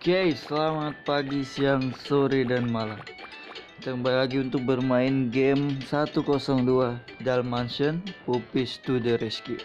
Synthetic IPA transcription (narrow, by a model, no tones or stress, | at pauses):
kaisəlamat̪̚paɡisiaŋsoɾidanmala | t̪əŋbajlaɡiunt̪ʊk̚bərmaɪnɡeɛmsat̪ukɔsɔŋduadalmanʃənpupist̪udəɾɛski